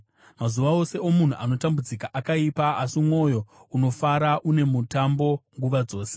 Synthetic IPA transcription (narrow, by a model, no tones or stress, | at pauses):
mazuʋao̞se̞o̞mun̤uʔano̞tambud͡zikaʔakaipaasimwo̞jo̞uno̞faɾaʔune̞mutambo̞ŋɡuʋad͡zo̞ːse